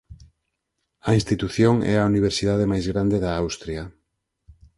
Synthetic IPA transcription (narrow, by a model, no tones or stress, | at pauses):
ɐĩnst̪it̪uθjoŋɛ̰auniβ̞eɾsiðaðemajzɣɾand̪eðaawst̪ɾja